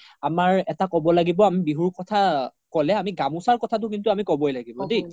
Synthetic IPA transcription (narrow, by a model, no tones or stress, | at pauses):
amaɹɛtakɔbɔlaɡibɔamibiɦuɹkɔtʰakɔlɛamiɡamusaɹkɔtʰat̬ʊkintʊamikɔbɔjlaɡibɔdi